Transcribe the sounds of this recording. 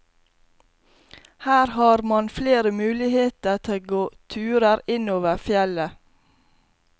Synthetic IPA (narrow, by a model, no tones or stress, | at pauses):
hæːɾhɑːɾmɑnfleːɾəmʉːlɪheːt̪ət̪ʰeɡoːt̪ʰʉːɾəɾɪnoːʋəfjɛlə